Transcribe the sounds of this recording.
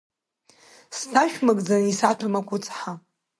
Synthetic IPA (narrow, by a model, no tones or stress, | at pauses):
stʰaʃᶣmakʼd͡zanisatʰɨmakʷʰʼʊt͡sʼħa